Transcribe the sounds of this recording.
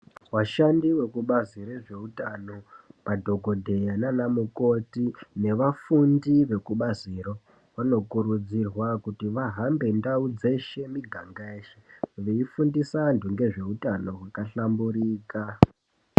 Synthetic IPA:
waʃandiwe̞kuɓaziɾeʐe̞utano̞padʱo̞ɡʱo̞dʱe̞jananamuko̞tine̞ʋafundiʋe̞kuɓaziro̞ | wano̞kuɾud͡zirwakutiʋaɦambe̞ndaud͡zeʃe̞miɡʱaŋɡaeːʃeʋeifundisandʱuŋɡe̞ʐe̞utano̞ɦwakaɬambuɾiːka

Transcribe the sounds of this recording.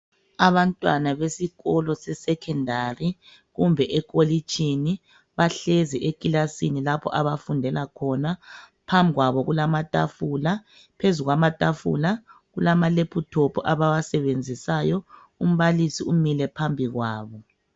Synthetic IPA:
aβantʼwanaβesiɣɔlɔsɛsɛkʰɛndʱari | ɣumbʱɛʔɛk̬ʼolit͡ʃʰʼini | βaɬɛzɛʔekʼilasinilapʰɔ̰ʔaβafundʱɛlakʰɔna | pʰambʱiɣwaβɔɣulamatʼafula | pʰezuɣwamatʼafṵla | ɣulamalepʰutʰopʰɔʔaβawasɛβend͡zʱisajɔ | um̩βalisiumilɛpʰambʱiɣwaːβɔ

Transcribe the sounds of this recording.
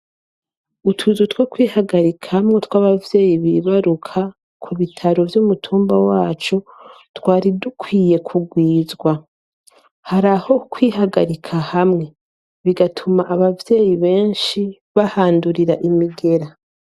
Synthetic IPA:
utʰuzutwo̞kwiːhaɡaɾikʰahamŋe̞twaːβavje̞ːjiβiβaɾukʰa | kʰuβitʰaɾo̞vjumutʰuːmbawaːt͡ʃo̞ | twaːɾidukʰwiːje̞kʰuɡwiːzɡwa | haɾaho̞kwiːɦaɡaɾikʰahamŋe̞ | βiɡatʰumaʔaβavje̞ːjiβe̞ːnʃi | βahaːnduɾiɾaʔimiɡe̞ɾa

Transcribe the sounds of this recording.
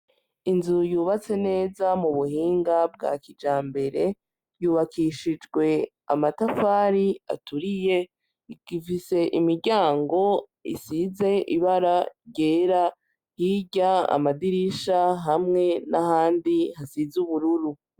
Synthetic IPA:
inzujuːβat͡se̞ne̞ːzamuβuhiːŋɡab̚ɡa̰kid͡ʒaːmbe̞ɾe̞ | juːβakiʃid͡ʒɡwe̞ | a̰matafaːɾia̰tuɾije̞ | ɡifise̞ʔimiɾɟaːŋɡo̞ | ḭsize̞ʔiβaɾaɟeːɾa | hiɟaa̰madiɾiʃaɦamŋe̞nahaːndihasizuβuɾuɾu

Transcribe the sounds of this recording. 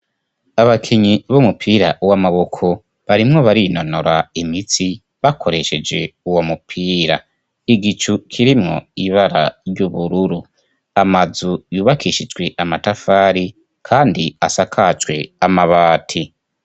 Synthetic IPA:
aβakʰiɲiβomupʰiɾa̰ʔuwamaβokʰo | βaɾimŋoβaɾino̞noɾaimit͡si | βakʰo̞ɾe̞ʃe̞d͡ʒe̞uwo̞mupʰiːɾa̰ | iɡit͡ʃukʰiɾimŋo̞̰iβaɾaɾɟuβuɾuɾu | amazujuːβakʰiʃid͡ʒɡwe̞ʔamatafaːɾi | kʰaːndia̰sakʰad͡ʒɡwe̞amaβaːtʰi

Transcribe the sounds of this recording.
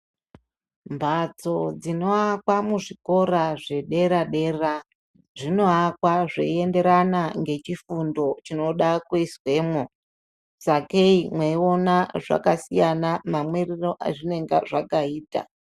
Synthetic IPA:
mbʱat͡so̞d͡zino̞akwamuʐiko̞ɾaʐe̞ɗe̞ɾaɗe̞ːra | ʐino̞akwaʐḛie̞nde̞ɾanaŋɡe̞t͡ʃifundo̞t͡ʃino̞ɗakweiswe̞ːmwo | sake̞imweio̞naʐa̰kasijanamamweriro̞ʔa̰ʐine̞ŋɡa̰ʐakaiːta̰

